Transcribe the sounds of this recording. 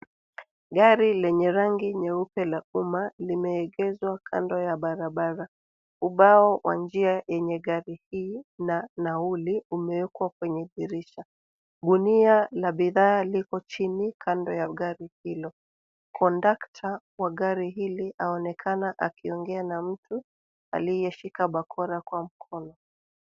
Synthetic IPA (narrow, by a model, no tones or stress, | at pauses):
ɠaɾilɛɲɛɾaŋɡiɲɛupɛlaumalimɛːɠɛzwakʰa̰ndɔjaɓaɾaɓaɾa | uɓaɔwʔa̰nd͡ʒiajɛɲɛɠaɾihiːnanauliumɛwɛkwakwɛɲɛɓiɾiʃa | ɗunialaɓiðaːlikɔt͡ʃinikʰandɔjaɠaɾihilɔ | kʰɔndaktʰa | waɣaɾiɦilihaɔnɛkʰanaʔakiɔŋɡɛanam̩tu | a̰lijɛʃikaɓakʰɔɾakwam̩kʰɔnɔ